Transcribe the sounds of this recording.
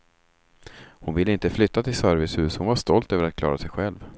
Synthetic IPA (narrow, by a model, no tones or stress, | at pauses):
hʊnvɪlːəɪnt̪əflʏt̪ːat̪ʰɪlsœɾvɪshʉ̟ːshʊnvaʂt̪ɔlt̪øːvəɾat̪̚kʰlɑ̰ːɾasɛjɧɛlv